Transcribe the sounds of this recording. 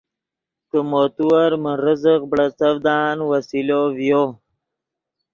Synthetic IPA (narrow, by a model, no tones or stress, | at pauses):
kəmot̪uwaɾməɾəzəqbɽat͡səvd̪ɑːnwasilovjo